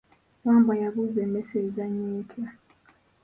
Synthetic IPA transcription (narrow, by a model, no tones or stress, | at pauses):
waːmbajaβuzemesezaɲeːtʰa